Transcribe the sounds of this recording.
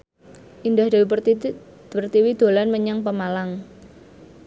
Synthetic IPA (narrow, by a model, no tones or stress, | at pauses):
ʔindahd̪̥a̤wi | pərt̪iwid̪̥o̤lanməɲaŋpəmalaŋ